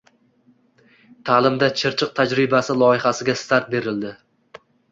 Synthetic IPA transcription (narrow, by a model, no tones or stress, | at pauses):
t̪ʰaːlɪmd̪at͡ʃʰɪɾt͡ʃʰɨq̚t̪ʰad͡ʒɾɪbasɪlˠɒɪhasɪɡʲast̪ʰaɾt̪̚be̞ɾɪld̪ɪ